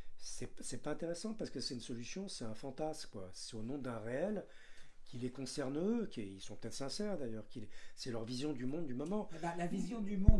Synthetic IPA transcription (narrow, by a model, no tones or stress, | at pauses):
sɛpsɛpaɛ̃t̪eʁɛsɑ̃paʁsə̥kəsɛt̪ynsɔlysjɔ̃sɛɛ̃fɑ̃t̪askwasɛonɔ̃d̪ɛ̃ʁeɛl | kʰʲilekɔ̃sɛʁnøkʲeilsɔ̃pə̥t̪ɛt̪χəsɛ̃sɛʁd̪ajœʁkʲilsɛlœʁvizjɔ̃d̪ymɔ̃d̪d̪ymɔmɑ̃lalavizjɔ̃d̪ymɔ̃